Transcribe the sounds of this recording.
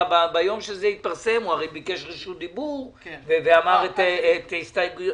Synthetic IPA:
babajo̞mʃezeit̪̚paʁsemuaʁejbikeʃʁiʃud̪ibuʁveveamaʁet̪et̪ist̪ajɡuj

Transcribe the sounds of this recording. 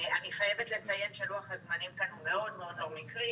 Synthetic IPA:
aniχajevet̪le̞t͡sajenʃeluaχhazmanimkanhumeo̞d̪meo̞d̪noɡmikʁi

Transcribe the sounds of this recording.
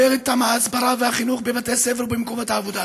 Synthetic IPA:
eʁet̪ːamaːsbaɾavehaχinuχbevat̪eseveʁbemkomothaːvod̪a

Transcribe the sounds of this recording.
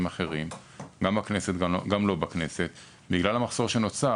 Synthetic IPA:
maχe̞ʁim | ɡamakne̞set̪ɡamlo̞bakne̞se̞t̪ | biɡlalamaχz̥o̞ʁʃe̞no̞t͡sa

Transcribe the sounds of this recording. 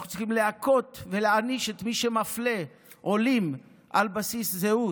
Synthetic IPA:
χnu̥t͡siχimleako̞t̪ve̞leaniʃet̪miʃemafle̞ | ʔo̞lim | ʔalbasiszeu

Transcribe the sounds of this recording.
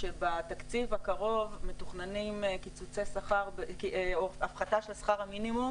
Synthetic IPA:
ʃebat̪akt͡sivhakaʁo̞vmetuχnanimkit͡sut͡sesaχaʁbekioafχataʃelsḁχaʁhaminimum

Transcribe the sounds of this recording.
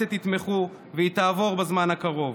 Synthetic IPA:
et̪it̪me̞χu | veit̪aːvo̞ʁbezmanhakaʁo̞v

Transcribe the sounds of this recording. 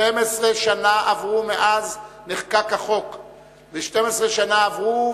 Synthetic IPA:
emesʁeʃanaʔavʁumeʔazneχkakaχo̞k | veʃtemesʁeʃanaːvʁu

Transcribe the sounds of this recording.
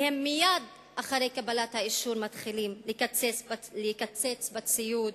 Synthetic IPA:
hemːijad̪ | ʔaχaʁejkabalat̪haiʃuʁmat̪χilimlekat͡seleikat͡set͡sbat͡sijud

